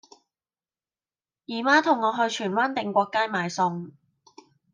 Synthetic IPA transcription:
jiː˨˩maː˥t̪ʰʊ˨˩ŋːɔː˨˧ɦɵ˧ɥt͡ʃʰyː˨˩nwa˥nt̪ɪ˨˧ŋkʷɔː˧kːaː˥jmaː˨˧jsʊ˧ŋ

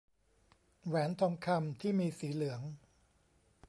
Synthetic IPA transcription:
ɾɛː˩˦nt̪ʰɔː˧ŋkʰa˧mt̪ʰiː˥˩miː˧siː˩˦lɯ˩˦əŋ

